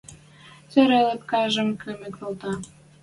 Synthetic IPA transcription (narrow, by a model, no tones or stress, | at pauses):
t͡sø̆ɾelĕp̚kɑʒə̆mkʰømĕk̪olt̪ɑ